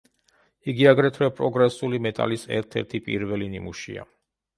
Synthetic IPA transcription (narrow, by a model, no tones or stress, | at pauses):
iɡiaɡɾɛt̪ʰwɛpʼɾɔɡɾɛsulimɛt̪ʼa̰lisɛ̰ɾt̪ʰɛ̰ɾt̪ʰipʼḭɾvɛlinimuʃḭa̰